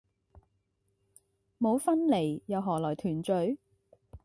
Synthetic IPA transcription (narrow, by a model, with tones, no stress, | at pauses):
mo˨˧wfɐ˥nle˨˩jjɐ˨˧wɦɔː˨˩lɔː˨˩jt̪ʰyː˨˩nt͡ʃɵ˨˥ɥ